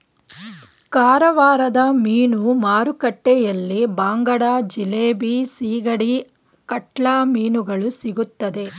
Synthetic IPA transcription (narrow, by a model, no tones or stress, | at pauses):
kaːɾɐʋaːɾɐd̪ɐmiːnumaːɾukɐʈːejɐlːibaːŋɡɐɽaːd͡ʒileːbisiːɡɐɽi | kɐʈɭaːmiːnuɡɐɭusiɡut̪ːɐd̪e̞